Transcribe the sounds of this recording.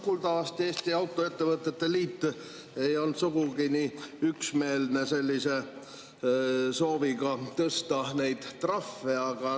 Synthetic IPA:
kult̪ɑɑst̪e̞ːst̪iɑwt̪ːˑo̞e̞t̪ːe̞vɤt̪ːˑe̞t̪ːe̞liːt̪ːˑ | e̞jo̞lt̪suɡ̥uɡiniyksme̞ːlne̞se̞lʲːise̞ | so̞ːviɡɑt̪ɤst̪ɑnejd̪̥t̪rɑfːeɑɡ̥ɑ

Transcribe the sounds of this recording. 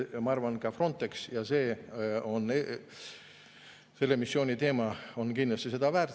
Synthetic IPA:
mɑɑrvɑnkɑfro̞nt̪ːˑe̞ksjɑse̞ːo̞ne | se̞lːemisːjo̞ːnʲit̪e̞ːmɑo̞nkind̪lɑst̪ise̞d̪ɑvæːrt̪

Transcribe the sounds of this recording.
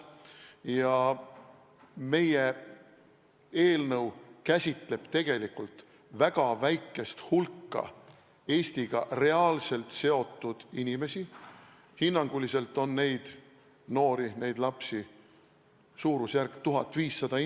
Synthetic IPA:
jɑ | me̞je | e̞ːlnɤwkæsʲit̪le̞b̥t̪e̞ɡ̥e̞likult̪ | væɡ̥ɑvæjkːˑe̞st̪hulkːɑ̰ | e̞ːst̪iɡ̥ɑre̞ɑːlse̞lt̪se̞o̞t̪ːˑud̪̥inʲime̞si | hinːɑŋɡ̥ulise̞lt̪ːˑo̞nːe̞jd̪̥ | no̞ːɾine̞jd̪lɑpsi | suːɾusjærkt̪uɦɑt̪ːˑviːsːɑd̪ɑ

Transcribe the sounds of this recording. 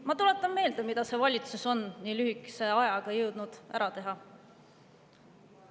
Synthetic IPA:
mɑt̪ule̞t̪ːˑɑmme̞ːld̪emid̪̥ɑse̞vɑlʲit̪suso̞nniːlyɦikːˑe̥se̞ɑjɑɡ̥ɑjɤwd̪̥nud̪̥ʔæ̰ɾʔɑt̪e̞ɦɑ

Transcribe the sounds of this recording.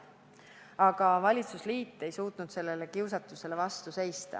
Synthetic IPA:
ɑɡ̥ɑvɑlʲit̪susliːt̪ˑːe̞jsuːt̪nud̪̥se̞lːe̞le̞kiwsɑt̪ːˑuse̞le̞vɑst̪use̞jst̪ɑ̰

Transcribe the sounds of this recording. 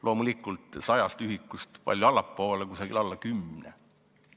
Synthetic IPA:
lʔo̞ːmulikːˑult̪ˑsɑjɑst̪yɦikːˑust̪pɑ̰lʲjoɑlːˑɑpːo̞ːlekusɑɡḭlɑlːɑkymnḛ

